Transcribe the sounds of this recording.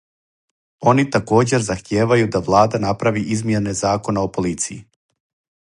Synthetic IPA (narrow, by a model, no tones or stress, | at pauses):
o̞nit̪ako̞ːd͡ʑe̞ɾzaxt̪jeːʋajud̪aʋlˠaːd̪anapɾaʋiʔizmjene̞zaːko̞nao̞po̞lit̪sijḭ